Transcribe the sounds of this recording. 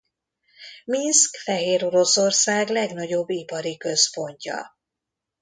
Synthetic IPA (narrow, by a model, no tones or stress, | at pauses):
minskfɛɦeːɾo̞ɾo̞so̞rsaːɡlɛɡn̪ɒɟo̞bːipɒɾikø̞spo̞ɲcɒ̰